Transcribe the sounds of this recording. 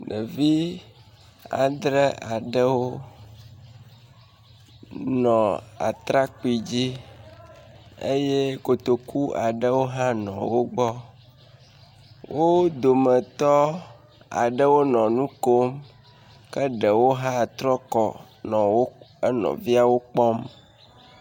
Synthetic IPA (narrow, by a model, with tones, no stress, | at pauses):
ɖə̰˨vi˦ | a̰˨d̪ɾə˦a˨ɖə˦wo˦ | nɔ̃˨a̰˨t̪ɾa˦k͡pi˨d͡ʑi˦ | ḛ˦je˦ko˨t̪o˨ku˦a˨ɖə˦wo˦ɦã˦nɔ̰̃˨wo˦ɡ͡bɔ˦ | wʔo˦d̪o˨mə˨t̪ɔ˦ | a̰˨ɖə˦wo˦nɔ̃˨nũ˦ko˦m | kə˦ɖə˨wo˦ɦã˦˨t̪ɾɔ˦kɔ̰˨ | nɔ̃˨wo˦ə˦nɔ̰̃˨vi˦a˨wo˦k͡pɔ˦m